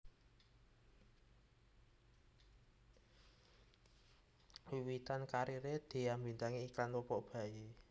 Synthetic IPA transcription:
wiwit̪ankaɾiɾed̪̥i̤ambi̤nt̪aŋeikanwɔpɔʔb̥ä̤je

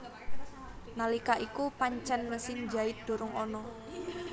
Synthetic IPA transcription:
nalikaʔikupaɲt͡ʃɛnməsɪŋd͡ʒa̤ɪt̪̚d̪̥o̤ɾʊŋɔnɔ

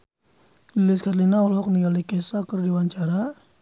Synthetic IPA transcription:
lilɪskatlinaɔlɦɔk̚niɡalikɛsakərdiwaɲt͡ʃaɾa

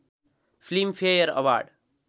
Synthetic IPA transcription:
fliːmfʰejəɾə̰ʋa̰ːɾɖ

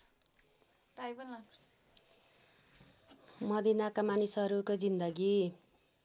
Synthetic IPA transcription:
ʈajbʌl | mʌd̪inakamanisʌɾukod͡zind̪ʌɡi

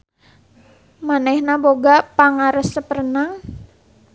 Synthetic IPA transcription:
manɛhnaboɡapaŋaɾəsːəpəɾənaŋ

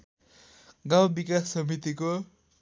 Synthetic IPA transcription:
ɡawbikasːʌmit̪iko

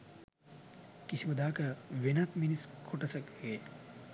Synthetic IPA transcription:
kisiməd̪aːkəʋenat̪miniskʰoʈəsəke

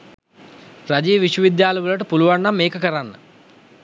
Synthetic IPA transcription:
pɾɐd͡ʒiːʋiʂwɐʋid̪jaːlɐʋulɐʈupuluʋɐɳːɐmːeːkɐkɐɾɐnːɐ̰

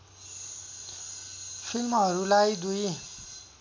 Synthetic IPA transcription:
pʰilmʌɾulajd̪uj

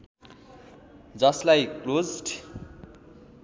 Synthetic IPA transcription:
d͡zʌslajklod͡zʈʰ

